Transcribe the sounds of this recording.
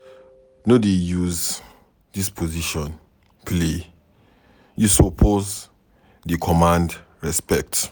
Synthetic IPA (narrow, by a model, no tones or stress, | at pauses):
nodejuz | dispʰoziʃɔ̃n | pʰle | jusopʰoz | dikʰɔmãnd | ɹɛspɛk̚t